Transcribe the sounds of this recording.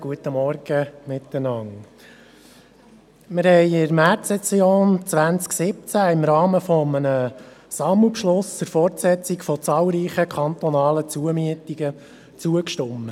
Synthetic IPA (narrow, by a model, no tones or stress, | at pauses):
ɡ̥uət̪ːəmɔɾɡ̥əmɪt̪ːənɑŋ | mɪɾhɛɪɪɾmærtsɛsjoːnt͡sʋænt͡sksɪp̚t͡sæɪmɾɑːməfɔmənəsɑml̩ˠpʃlʊst͡sʊɾfɔrtsɛt͡sɪkfɔt͡sɑːlˠɾiːχəkʰɑnt̪ɔnɑːlət͡suəmyətiɡ̥ə | t͡suəkʃtʊmːə